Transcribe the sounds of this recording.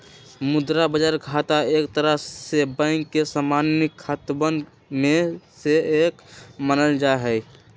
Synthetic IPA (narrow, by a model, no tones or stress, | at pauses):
mʊd̪ɾabəd͡ʒaɾkʰat̪aekt̪əɾəɦsebə̃ɪŋkːesamanikʰːət̪bən | mẽseekmənəld͡ʒaɦɛi